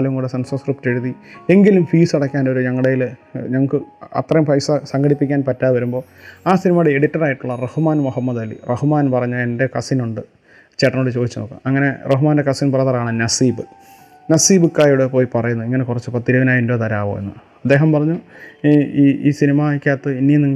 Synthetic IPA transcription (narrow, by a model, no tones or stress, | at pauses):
lɐjɐŋɡoɽesɐnsɐnskrip̚te̞ɻuðie̞ŋɡilumfiːsɐɽɐkʲːaːno̞ɾuɲɐŋːɐɽejilɲɐŋːɐkːɨɐ̰t̪rɐjumfɐjsɐsɐŋɡɐɽipːikʲːaːnpɐtːaːðɨʋɐɾumbo̞ː | aːsinimaːɽeeɽitːɐraːjiʈːuɭːɐrehumaːnmuhɐmːɐd̪ɐlːḭrɐhumaːnpɐrɐɲːɐe̞nde̞kɐsinuɳɖɨ | t͡ɕeʈːɐnoɖɨt͡ɕo̞ːd̪it͡ɕːɐnoːkːɨ̰mɐŋːɐne̞rɐɦumaːndekɐsinpɐrɐt̪ɐraːɳɨnɐsiːbɨ | nɐsiːbɨkːaːjuɽepo̞ːjipɐrɐjunːɐiŋːɐnekurɐt͡ɕːɨpɐt̪ːiɾɐʋɐnaːjindoːt̪ɐɾaːʋo̰ḛnːu | ɐd̪ːeːɦɐmpɐrɐɲːu | iːiːsinimakʲːaːt̪ːɨinijniŋː